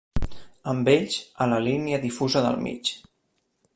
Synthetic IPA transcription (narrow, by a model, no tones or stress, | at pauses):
əmbeʎʒələliniəðifuzəðə̰lˠmḭt͡ʃ